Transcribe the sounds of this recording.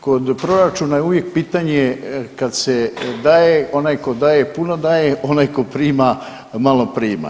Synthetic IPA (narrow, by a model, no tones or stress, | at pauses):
ko̞d̪pɾo̞ɾat͡ʃunajeuʋje̞k̚piːt̪aɲekad̪sed̪aːjeo̞najko̞d̪aːjepunod̪aːjeʔo̞najko̞pɾiːma | malopɾiːma̰